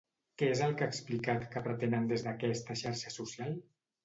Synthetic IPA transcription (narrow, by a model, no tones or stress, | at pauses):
kɛezəlˠkaːksplikat̪kəpɾət̪enənd̪ezðəkɛst̪əʃaɾʃəsusjalˠ